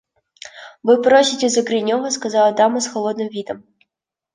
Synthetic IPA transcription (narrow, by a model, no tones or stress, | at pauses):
vɨpɾosʲitʲezɐɡɾʲɪnʲoɣəskɐzɑɐd̪ɑmɐsxolˠod̪̚nɨmvʲid̪əm